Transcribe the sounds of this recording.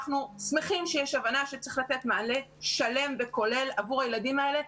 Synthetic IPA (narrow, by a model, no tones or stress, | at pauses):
χnusmeχimʃejeʃavanaʃet͡sʁiχlat̪e̞tmeale̞ | ʃale̞mbe̞ko̞le̞lavuʁajeladimae̞le̞